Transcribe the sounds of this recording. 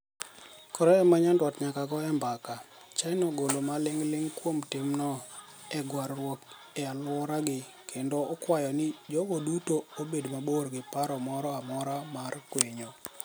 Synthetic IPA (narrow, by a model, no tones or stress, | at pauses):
kɔɾɔɛmaɲandwɔtɲakaɡɔɛmbaka | t͡ʃanoɡolomalɪŋlɪŋkwomtɪmnɔ | ɛɡwaɾːwok | ɛalwɔɾaɡɪ | kʰendoɔkwajɔnɪd͡ʒɔɡodutoobedmaborɡɪpaɾɔmɔɾɔamɔɾamarkweɲo